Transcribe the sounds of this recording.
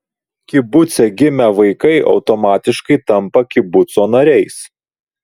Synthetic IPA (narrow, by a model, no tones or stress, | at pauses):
kʲɪbʊt̪sʲɛɡʲɪmʲɛʋɐɪkɐɪʔɒ̰ʊt̪omɑːt̪ʲɪʃkɐɪt̪ɐmpɐkʲɪbʊt̪soːnɐɾʲɛɪs